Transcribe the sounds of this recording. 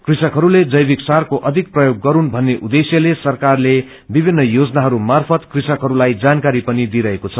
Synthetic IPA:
krisʌkɦʌɾuled͡zʌjbiksarkoʔʌd̪ʱik̚prʌjoɡːʌɾunbʱʌnːeʔud̪esjʌlesʌrkarle | bibʱinːʌjod͡znaɦʌɾumarpʰʌt̪krisʌkɦʌɾulajd͡zankaɾipʌnid̪iɾʌɦekot͡sʰʌ

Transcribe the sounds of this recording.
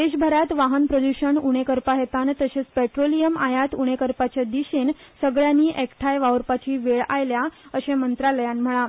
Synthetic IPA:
d̪eɕ̬bʱəɾat̪ʋaɦənpɾəd̪uɕəɳuɽ̃ekəɾpaɦjet̪ant̪əɕet͡spɛʈɾolijəmajat̪uɳ̃ekəɾpat͡ɕad̪iɕen | səɡɭjaniːʔekʈʰajʋaʋəɾpat͡ɕiːʋeɭa̰jljaəɕẽmənt̪ɾaləjãnm̤əɭ̃a

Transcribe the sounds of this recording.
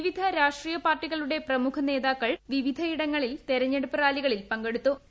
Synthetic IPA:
ʋid̪ʱɐɾaːʂʈrijɐpaːrʈːiɣɐɭuɽe̞prɐmukʰɐne̞ːðaːkːɐɭʋiʋid̪ʱɐiɽɐŋːɐɭilt̪eɾɐɲːeɽupːɨraːliɣɐɭilpɐŋɡe̞ɽut̪ːu

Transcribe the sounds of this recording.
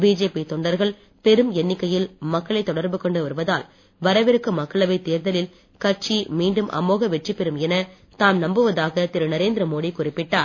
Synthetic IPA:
biːd͡ʒeːpit̪ɔɳɖɐɾɣɐɭ | pɛɾɯmɛnːɪkːɐjɪlmɐkːɐɭɐɪt̪ːɔɽɐɾbɯkɔɳɖɯʋɐɾɯʋɐða̰ːl | ʋɐɾɐʋɪɾɯkːɯmɐkːɐɭɐʋɐɪt̪ːeːɾðɐlɪl | kɐʈʈ̚t͡ʃimiːɳɖɯmʔɐ̰moːɣɐʋɛʈripɛɾɯmɛnɐ | t̪aːmnɐmbɯʋɐðaːɣɐt̪ɪɾɯnɐɾeːnd̪ɪɾɐmoːɽikʊrɪpːɪʈːaːɾ

